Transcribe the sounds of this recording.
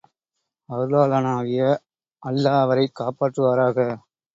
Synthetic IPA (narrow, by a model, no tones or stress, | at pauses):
ɐɾɯlaːlɐnaːʋɪjɐ | ʔɐlːaːʋɐɾɐɪkːaːpaːʈrɯʋaːɾaːɣɐ